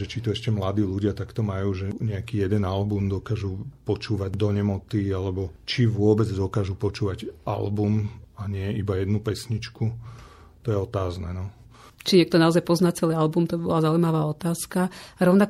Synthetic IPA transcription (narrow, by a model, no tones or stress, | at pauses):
ʒɛt͡ʃit̪ɔɛʃcɛmlad̪iːluɟɪat̪akt̪ɔmajuːʒɛɲɛakiːjɛd̪ɛnalbumd̪ɔkaːʒupɔt͡ʃuːʋaɟd̪ɔɲɛmɔt̪ialɛbɔt͡ʃiʋʊɔbɛd͡zd̪ɔkaːʒupɔt͡ʃuːʋaɟa̰lbumaɲɪɛibajɛd̪nupɛsɲit͡ʃku | t̪ɔjɛɔt̪aːznɛːnɔ | t͡ʃiɲɪɛk̚t̪ɔnaɔzajpɔznat͡sɛliːalbumt̪ɔbibɔlazaujmaʋaːɔt̪aːskaɾɔʊnak